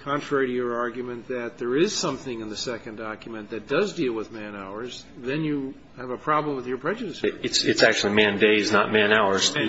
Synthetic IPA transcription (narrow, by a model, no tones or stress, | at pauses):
kʰɑ̃ntʰɹ̥ɛɹiɾɨjə˞ɑɹɡjɨmɨ̃nðɨt̪̚ðə˞ɪz̥sʌ̃mθɪ̃ŋɨ̃nðɨsɛkɨ̃ndɑkjɨmɨ̃nðɨt̚d̥ʌzdilˠwəðmæ̃naʊə˞zðɨ̃njɨː | vəpʰɹ̥ɑblə̃mwəðjə˞pʰɹ̥ɛd͡ʒɨɾɨsɨtsɨtsæk̚t͡ʃʉl̩ˠimæ̃ndeɪɨznət̚mæ̃naʊə˞z̥